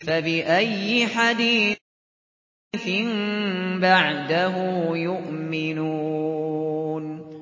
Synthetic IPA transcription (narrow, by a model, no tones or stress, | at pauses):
fabɪʔajːɪħad̪iː | θɪnbaʕd̪aɦʊjʊʔmɪnuː | n